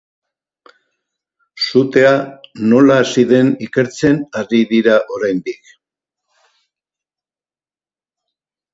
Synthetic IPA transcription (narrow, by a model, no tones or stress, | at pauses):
sut̪e̞ano̞laːsiðe̞nike̞ɾt͡se̞nariðiɾaʔo̞ɾajnd̪ik